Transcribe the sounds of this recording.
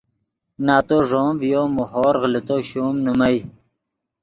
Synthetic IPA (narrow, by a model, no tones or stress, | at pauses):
naːt̪oːʐoːmvjoːmuɦoːɾɣlit̪oɕuːmnumaj